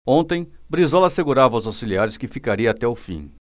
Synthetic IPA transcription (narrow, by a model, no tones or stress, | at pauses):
õnt̪ẽj̃bɾizɔlɐaseɡuɾavɐwzawsiliaɾɪskɪfikaɾiɐaːt̪ɛʊfḭ̃